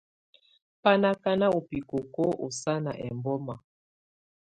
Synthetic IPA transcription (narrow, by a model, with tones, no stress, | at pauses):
pa˦na˦ka˦na˦o˨pi˨ko˨ko˦ʔo̰˨sa˦na˨ʔɛ̰˨mbɔ˦ma˨